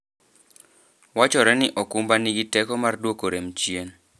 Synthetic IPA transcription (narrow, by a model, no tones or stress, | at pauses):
wat͡ʃɔɾɛnɪʔɔkumbaniɡitɛkɔmardwokoɾemt͡ʃjen